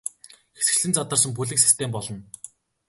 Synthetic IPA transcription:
xe̥sɡɘ̆ɮɘ̆nt͡sat̪ə̆rsə̆mp̬uɮɘ̆ksi̥st̪ʰeːmpɔɮɞ̆n

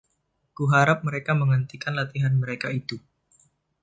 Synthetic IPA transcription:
kuɦaɾap̚məɾekaməŋənt̪ikanlat̪iɦanməɾekait̪u

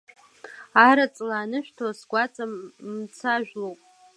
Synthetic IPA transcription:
aɾat͡sʼlaːnɨʃᶣtʰasɡʷat͡sʼamt͡sʰaʒᶣlowpʼ

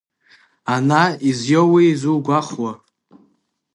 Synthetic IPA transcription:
anaizjowiizulɡʷaχwa

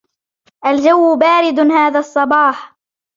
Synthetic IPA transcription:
ʔald͡ʒawːbaːɾɪd̪haːðaːsˤːɑbɑːħ

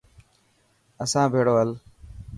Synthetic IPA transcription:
əsãːbʱeːɽoːɦəl

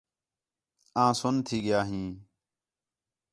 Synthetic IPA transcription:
ãːsʊnt̪ʰiːɠɪjaːɦĩː

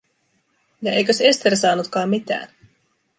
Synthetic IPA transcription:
jɑe̞jkø̞se̞st̪e̞ɾsɑːnut̪kɑːmːit̪æ̰ːn

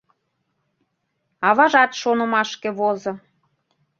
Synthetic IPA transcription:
ɑβɑʒɑt̪ʃonəmɑʃkeβozo

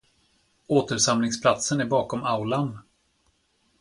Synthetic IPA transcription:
oːt̪əɾʂamlɪŋspʰlat̪sənæɾbɑːkɔmaʊlan

